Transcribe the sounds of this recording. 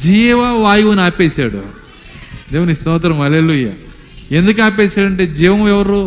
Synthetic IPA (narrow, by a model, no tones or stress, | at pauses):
d͡ʒiːʋaʋaːjuʋɐnaːpeːʃaːɽṵ | d̪eːʋunist̪ɐʋɐt̪̬ɐɾɐmɐleluja̰ | e̞nd̪uk̬aːp̬ɛːʃaːɽɐɳʈe̞ːd͡ʒiːʋɐmɛʋɐɾu